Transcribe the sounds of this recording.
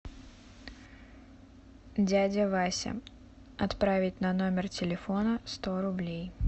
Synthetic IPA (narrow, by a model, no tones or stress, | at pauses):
dʲædʲəvasʲɪ̰ | ɐt̪pɾavʲɪtʲnɐno̞mʲɪrtʲɪlʲɪfo̞nəst̪o̞ɾʊblʲej